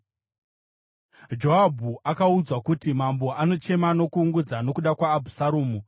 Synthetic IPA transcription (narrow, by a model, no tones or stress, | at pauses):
d͡ʒo̞ɦabʱuakaud͡zwakutimambo̞ʔano̞t͡ʃe̞mano̞kuːŋɡud͡zano̞kuɗakwaːbʱusaɾuːmu